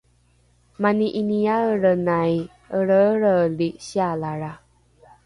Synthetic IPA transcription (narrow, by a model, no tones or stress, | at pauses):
maniʔinijaəɾənaj | əɾəəɾəliɕialaɾa